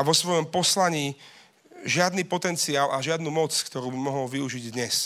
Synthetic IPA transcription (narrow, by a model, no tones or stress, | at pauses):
aʋɔsʋɔjɔmpɔslaɲiː | ʒɪad̪niːpɔt̪ɛnt͡siaːlʔaʒɪad̪nuːmɔt͡skt̪ɔɾuːbimɔɦɔlʋiuʒiɟd̪ɲɛs